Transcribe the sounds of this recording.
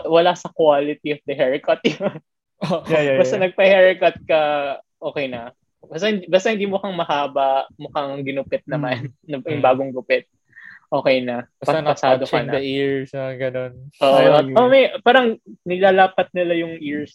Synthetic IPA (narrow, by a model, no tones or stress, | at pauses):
wɐlasɐkwaːlɪt̪iɐfd̪ɐɦɛɹɪkɐt̪̚jo | jbɐst̪ɐnɐɡ̚pɐhɛɹɪkɐt̪̚kɐʔo̞ːkɛjnɐ | bast̪ɐhɪnd̪ibast̪ɐhɪnd̪iːmʊkɐŋmɐhaːbɐʔmʊkɐŋɡɪnʊpɛt̪̚nɐmanːɐjʊŋbaːɡoŋɡʊpɛt̪̚ | ʔo̞ːkɛjnɐbpɐpɐsaːd̪onɐɐiɹsɐɡɐnonʔoːʔʔoʔomɐjpaːɾɐŋnɪlaːlaːpɐt̪̚nɪlajʊŋʔiɹs